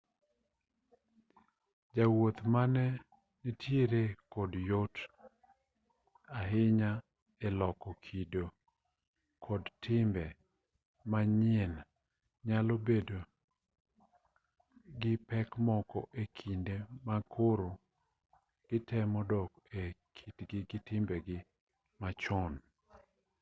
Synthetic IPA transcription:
d͡ʒawot̪manɛ | nitʰjeɾekɔdjot | aɦɪɲa | ɛlɔkɔkʰido | kʰɔdtʰɪmbɛ | maɲɪen | ɲalobedo | ɡɪpɛkmɔkɔ̰ʔekʰindemakʰoɾo | ɡ̥ɪtɛmɔdɔk | ekʰitɡɪɡɪtɪmbɛɡɪ | mat͡ʃɔn

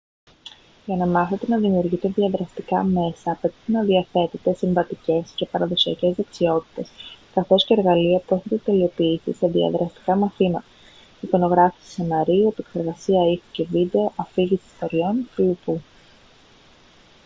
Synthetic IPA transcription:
ʝɐnɐmɐθe̞t̪e̞nɐðimiuɾʝit̪e̞ðiɐðɾɐst̪ikɐme̞sɐːpe̞t̪i̥t̪e̞nɐðiɐθe̞t̪et̪e̞siɱvɐt̪ice̞sce̞pɐɾɐðo̞siɐ̰ce̞zðe̞ksio̞t̪i̥t̪e̞skɐθo̞sce̞ːɾɣɐliɐpɾoθet̪e̞t̪e̞lio̞piːsḭse̞ðiɐ̰ðɾʔɐst̪i̥kɐmɐθimɐt̪ɐ̥ | iko̞no̞ɣɾɐfi̥si̥senɐɾiuepekse̞ɾɣɐsiɐixuce̞vid̪e̞o̞ʔɐfiʝisi̥st̪o̞ɾio̞nfilupu

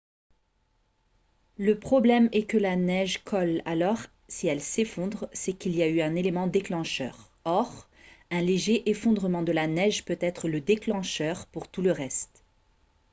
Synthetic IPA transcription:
ləpχɔblɛmɛkəlanɛʒkʰɔla̰lɔʁ | siɛlsefɔ̃d̪ʁsɛkiliayɛ̃nelemɑ̃d̪eklɑ̃ʃœ̰ʁ | ɔʁ | ɛ̃leʒeʔefɔ̃d̪ʁəmɑ̃d̪əlanɛʒpøt̪ɛt̪χələd̪eklɑ̃ʃœʁpuʁt̪uləʁɛst̪

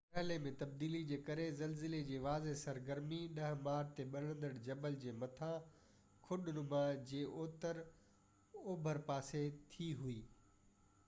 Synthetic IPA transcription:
pɐɦɪlemẽt̪ɐb̚d̪iːlid͡ʑeːkɐɾezɐlzɪled͡ʑeːʋaːzesɐɾɡəɾmiɗɐɦmaːɾt̪eɓɐɽ̤̃ə̃nd̪əɽd͡ʑɐbəld͡ʑeːmɐt̪ʰã | kʰʊɗʊnʊmãd͡ʑeːʔoːt̪əɾ | oːbʱəɾpaːset̪ʰiɦuiː

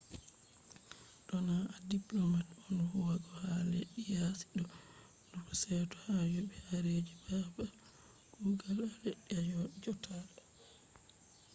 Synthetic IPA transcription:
ɗɔnaadiplɔmatɔnhuwaɡɔhaleɗːijasi̥ɗɔ | ndɔkɔsɛtɔ̥hajobɛhaɾed͡ʒibaba | ɡ̥uɡalaleɗːiad͡ʒɔtʰalɔ

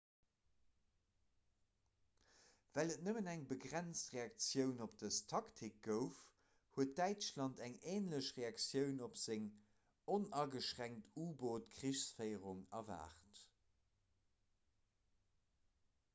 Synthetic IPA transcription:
vælət̚nəmənæŋbəɡʁænt͡stʁeɑk̚t͡sjəʊnopd̥əstʰɑktʰik̚ɡ̥əʊf | huət̚dæɪt͡ʃlɑntæŋeːnləɕʁeɑkt͡sjəʊnopz̥eŋ | onɑɡəʃʁæŋtuːboːtkʁiʃsfəɪəʁuŋɑva̰ːχt

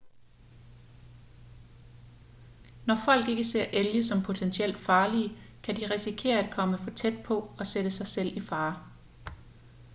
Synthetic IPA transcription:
nɒfɒ̽l̰ɡ̥e̝ɡ̥əse̝ɐ̰ʔeljəsɒ̽mpʰo̝t͡sʰensiel̰d̥fɑ̈ːliəkʰæd̥iʁisikʰe̝̰ːɐæd̥̚kʰɒ̽məfɒ̽t͡sʰed̥̚pʰɒ̽ɒ̽sed̥əsɑ̈ɪsel̰ifɑ̈ː

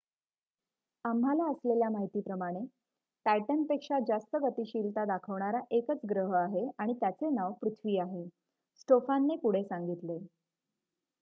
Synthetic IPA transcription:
amɦalaəsleljamaɦit̪iːpɾəmaɽ̃e | ʈajʈənpekʂad͡zast̪əɡət̪iːɕiːlt̪ad̪akʰəʋɳaɾaʔekət͡sɡɾəɦəaɦeaɽ̃it̪jat͡senaʋpɾut̪ʰʋiːaɦe | sʈofanːepuɽ̤esaŋɡit̪le

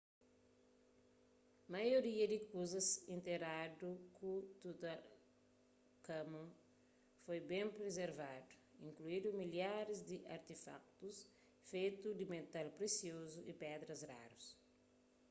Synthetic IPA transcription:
majoɾiɐd̪ikuzɐsĩnt̪eɾad̪ukʰut̪ut̪ɐ | kɐmɐ̃ | fojbẽmpɾezeɾvad̪u̥ĩŋkluid̪umiljaɾizd̪iʔaɾt̪ifa̰k̚t̪us | fejt̪ud̪imet̪alpɾesiozuʔipɛd̪ɾɐzra̰ɾus

